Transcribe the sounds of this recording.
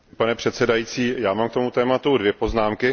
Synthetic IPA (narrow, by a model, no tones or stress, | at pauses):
panɛpr̥ɛt̪sɛdajiːt͡siːjaːmaːmk̚t̪o̞mut̪ɛːmat̪udvjɛpo̞znaːmkɪ